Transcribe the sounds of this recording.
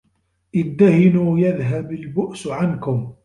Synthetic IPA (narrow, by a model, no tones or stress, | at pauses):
ʔɪd̪ːahɪnuːjaðɦabalbʊʔsʕankʊm